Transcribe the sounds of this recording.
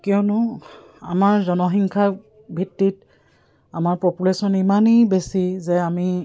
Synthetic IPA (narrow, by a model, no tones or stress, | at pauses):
kionʊ | a̰maɹzɔnɔxiŋkʰa | bʱitːit | amaɹpopulesɔnimanijbesizɛami